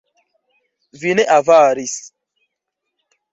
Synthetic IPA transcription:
vineʔavaːɾis

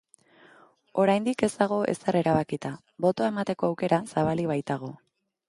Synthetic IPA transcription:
o̞ɾajnd̪ike̞zt̪aɣ̞o̞e̞seɾe̞ɾaβ̞akit̪a | bo̞t̪o̞ae̞mat̪e̞ko̞awke̞ɾasaβ̞aliβ̞ajt̪aɣ̞o̞

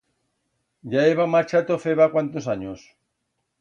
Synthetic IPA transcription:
ʎaeβamaɾt͡ʃat̪ofeβakwant̪osaɲos

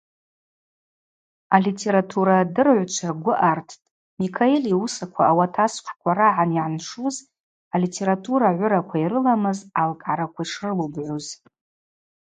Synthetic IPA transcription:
alitʰe̞ɾatʰuɾadɨrʕʷt͡ʃʷʰaɡʷʊʔartʰtʼ | mikʰaeliusakʷʰaːwatʰasqʷkʷʰaɾaʕaniʕanʂuz | alitʰe̞ɾatʰuɾaʕʷʊɾakʷʰairɨlamɨzalkʼʕaɾakʷʰaiʂʰrɨlubʕʷoz

